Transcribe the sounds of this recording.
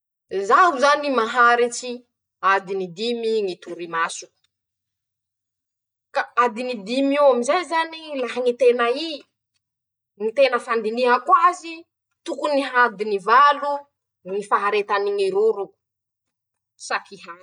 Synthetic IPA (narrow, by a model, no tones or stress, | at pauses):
zaɦuzanimaɦaɾit͡ʃi | ad̪inid̪imiŋit̪uɾimasu̥ | kaad̪inid̪imuamizajzanilaɦaŋit̪enai | ŋit̪enəfand̪iniɦakwazi | t̪ukuniɦad̪inivalu | ŋifaɦaɾet̪aniŋiɾuɾu̥ | sakiɦḁ